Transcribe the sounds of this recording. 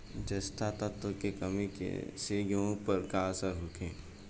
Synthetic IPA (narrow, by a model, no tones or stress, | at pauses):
d͡ʒɐst̪ʰat̪ət̪ːokekɐmikḛseɡõpəɾkaəsəɾɦʊkʰẽː